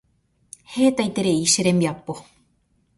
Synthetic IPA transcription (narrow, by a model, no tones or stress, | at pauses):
heːt̪ajt̪eɾeiʃeɾemjapːo